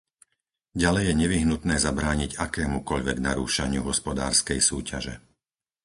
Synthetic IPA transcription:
ɟalɛjːɛɲɛʋiɦnut̪nɛːzabɾaːɲiɟakɛːmukɔʎʋɛɡnaɾṵːʃaɲɪṵɦɔspɔd̪a̰ːɾskɛjsuːcʰa̰ʒɛ̰

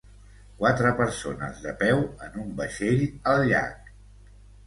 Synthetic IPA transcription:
kwat̪ɾəpəɾsonə̰zðəpɛwənumbəʃeʎəlʎa̰k

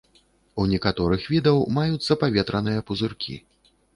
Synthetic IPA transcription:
unʲɛkat̪ɔɾɨxvʲid̪ɐwmajut̪sːɐpavʲɛt̪ɾɐnɨjɐpuzɨrkʲḭ

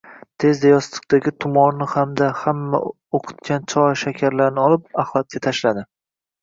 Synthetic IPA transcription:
t̪ʰe̞zd̪ajɒst̪ɨ̥q̚t̪aɡʲɪt̪ʰʊmɒɾnɪhamd̪ahamːa̰ | oqʰɨ̥t̪̚kʲant͡ʃʰɒʃakʲʰaɾlaɾnɪɒlˠɪp̚ahlˠat̪̚kʲat̪ʰaʃlad̪ɪ

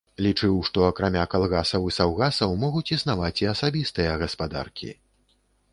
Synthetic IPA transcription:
lʲit͡ʂɨwʂt̪ɔɐkɾamʲakalˠɣasɐwisawɣasɐwmɔɣut͡sʲisnavat͡sʲiɐsabʲist̪ɨjɐɣɐspad̪a̰rkʲʰḭ

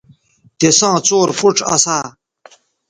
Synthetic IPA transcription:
t̪esãːt͡soːɾfuʈ͡ʂɐ̰saː

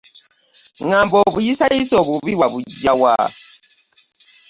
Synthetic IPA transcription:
ŋaːmboːβujisajisoːβuβiβwaβuɟːawa̰

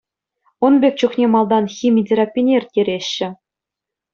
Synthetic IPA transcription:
ŏnbʲekʲt͡ɕuχnʲemɑlˠd̪ɑnxʲimʲidʲeɾapʲːinʲerʲtʲːeɾʲeɕːɘ̆

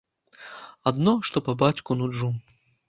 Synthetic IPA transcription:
ad̪nɔʂt̪ɔpabat͡sʲkunuu

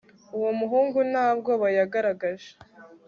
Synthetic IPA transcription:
uwomuɦuːŋɡunaːb̚ɡo̞βajaɡaɾaɡaʒe

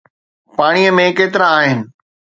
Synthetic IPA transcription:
paːɽ̃ijəmẽkeːt̪ɪɾãaːɦɪnɪ̆

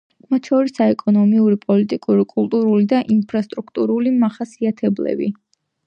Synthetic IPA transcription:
mat̪ʰʃɔɾisaɛkʼɔnɔmiuɾipʼɔlit̪ʼikʼuɾikʼulˠt̪ʼuɾulid̪aʔinpʰɾast̪ʼɾukʰt̪ʼuɾulimaχasiat̪ʰɛblɛ̰bḭ

